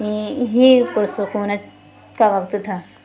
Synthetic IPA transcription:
iɦikʊɾsʊkuːnət̪ | kaʋɐkt̪t̪ʰaː

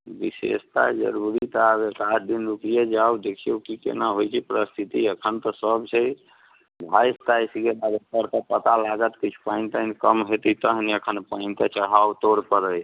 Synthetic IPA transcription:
bisḛst̪a̰d͡ʒə̰ɾuɾit̪bekad̪inɾukijad͡ʒawd̪ekʰijowkikḛnaɦojt͡ʃʰipɾəst̪ʰit̪iəkʰənt̪ɔsəbt͡ʃʰɛ | bʱajst̪aisiɡebaɡkəɾkapət̪alaɡət̪kit͡ʃʰu̥paɪnt̪ankəmɦet̪it̪əɦniəkʰənpaɪnt̪ət͡ʃəɽɦawt̪oɽpəɾəj

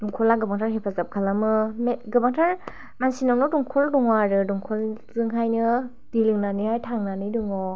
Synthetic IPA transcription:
duŋkʰɔlaɡɯbaŋtʰaɾɦepʰazap̚kʰalamɯmeɡɯbaŋtʰaɾ | mansinawnɔduŋkʰɔldɔŋwaɾɯduŋkʰɔlzɯŋɦajnɯ | d̥ilɯŋnanihajtʰaŋnanɯdɯŋɔ

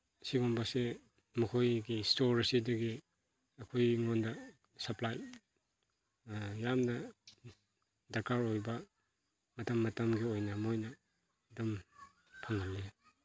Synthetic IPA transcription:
siɡombɐse | mukʰojɡistoɾɐsidɐɡi | ɐkʰojŋondɐ | sɐplaj | jamnɐ | dɐɾkʰaɾojbɐ | mɐtɐmːɐtɐmɡiojnɐmojnɐ | dum | pʰaŋalːe

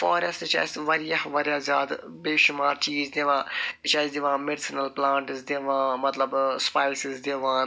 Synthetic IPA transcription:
foːɾest̪t͡ʃa̰ːst̪ʋɐɾjahʋɐɾjaːzʲjaːd̪ | beːʃʊmaːɾt͡ʃiːzd̪eʋãːt͡ʃaːzd̪eʋãːmeɖsɪnɐlplãːɳʈɪzd̪eʋãːmɐt̪lɐbspaːɪlsɪzd̪eːʋãːn

